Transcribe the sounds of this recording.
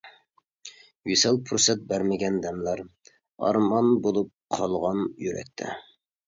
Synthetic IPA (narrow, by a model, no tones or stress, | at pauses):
ɥisɑlˠpʰuɾsɛt̪̚bæɾmɪɡʲɛnd̪ɛmlæɾ | ɑ̰ɾmɑnbolˠup̚qʰɑlˠʁɑnjyɾɛ̰k̚ʲt̪ʰɛ̰